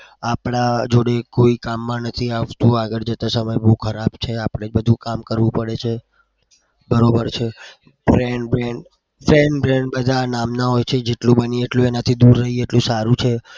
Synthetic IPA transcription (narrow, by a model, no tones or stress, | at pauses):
apɽad͡ʒoɽekoikamːãnət̪ʰiaʋt̪ũaɡəɭd͡ʒət̪asəməjboukʰəɾabt͡ʃʰeapɽ̃ed͡ʒbəd̪ʱũkamkəɾʋũpəɽet͡ʃʰe | bəɾobəɾt͡ʃʰe | bɾeɳɖbɾeɳɖ | fɾeɳɖbɾeɳɖbəd̪ʱanamnaɦojt͡ʃʰed͡ʒeʈlũbənieʈlũenat̪ʰid̪uɾːəɦieʈlũsaɾũt͡ʃʰe